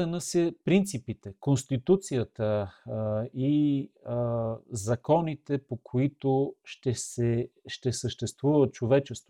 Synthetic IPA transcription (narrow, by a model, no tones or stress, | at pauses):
ɛnəsɛpɾint̪sipit̪ɛkonst̪it̪ut̪sijət̪ə | i | zɐkɔnit̪ɛpokʰoit̪oʃt̪ɛsɛʃt̪ɛsəʃt̪ɛst̪vuvət̪̚t͡ʃovɛt͡ʃɛst̪vo